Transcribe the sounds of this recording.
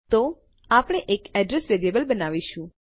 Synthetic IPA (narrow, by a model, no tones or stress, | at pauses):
t̪o | apɽ̃eʔekɛɖɾesʋeɾiebəlbənaʋiʃũ